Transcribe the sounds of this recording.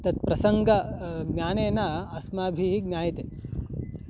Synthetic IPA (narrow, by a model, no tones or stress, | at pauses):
t̪ɐt̪̚pɾɐsɐŋɡɐɡnʲjaːneːnaɐsmaːbʱiɦiɡnʲjaːjɐt̪eː